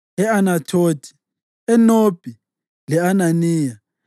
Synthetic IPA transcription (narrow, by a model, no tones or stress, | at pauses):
ɛanatʰoːdʰʱʼi̥ | ɛnob̥ʱi | lɛananiːja